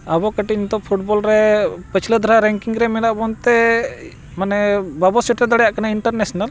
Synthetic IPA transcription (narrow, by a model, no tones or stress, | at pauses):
abɔkəʈint̪ɔpʰuʈbɔlɾɛpət͡ʃʰləd̪ʱaɾaɾɛŋkiŋɾɛmɛlaʔbɔnt̪ɛ | manɛbabɔsiʈɾɛd̪aɽɛjaʔkanaiɳʈəɾnesɔnal